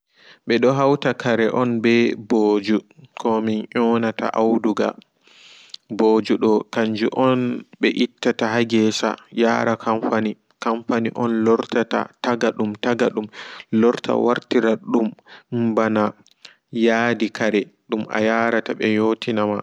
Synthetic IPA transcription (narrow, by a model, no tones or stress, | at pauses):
ɓɛɗɔɦawtakaɾɛʔɔnbɛboːd͡ʒukɔminʔɔnata̰ʔawduɡa̰ | bod͡ʒuɗɔkaɲd͡ʒuʔɔnɓɛʔitːataɦaɡɛsa̰jaːɾakʰaɱfani | kamfaniʔɔnlɔɾtata̰taɡaɗumtaɡaɗumlɔɾtʰa̰wa̰ɾtiɾaɗumbana | jaːdikaɾɛɗumʔa̰jaːɾataɓɛjotʰinama